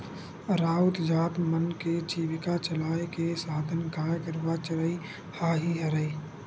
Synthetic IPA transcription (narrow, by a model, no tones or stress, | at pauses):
ɾaːʊt̪d͡ʒaːt̪mənked͡ʒiːʋɪkat͡ʃəlaːekesaːd̪ʱənkaːjkəɾʋat͡ʃəɾəi | haːɦiɦɐɾəi